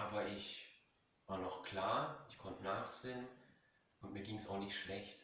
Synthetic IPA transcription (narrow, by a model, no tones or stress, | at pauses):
ʔaːbɐʔɪç | vaːɐnɔχkʰl̥aːɐɪçkʰɔntənaːχz̥eːən | ʔʊntmiːɐɡiːŋsaʊxnɪçtʃlɛçt